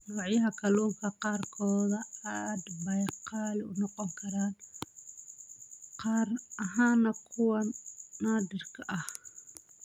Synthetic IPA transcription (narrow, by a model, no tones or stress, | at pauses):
nɔːʕjɐɦɐkʰɐluːŋkʰɐqɑːrkʰɔːðɐad̪bɐjqɑːlɪʊnɔqɔŋkʰɐɾaːn | qɑːrʔɐɦaːnːɐkʰʊwɐnaːd̪ɪrkʰɐʔɐh